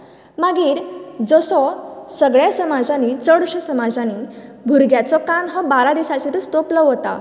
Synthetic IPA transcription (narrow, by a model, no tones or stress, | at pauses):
maɡiːɾd͡zəsɔsəɡɭjasəmad͡zãnit͡səɽɕəsəmad͡zãnibʱuɾɡjat͡sɔkanɦɔbaɾad̪isat͡ɕit̪əst̪oplɔɦot̪a̰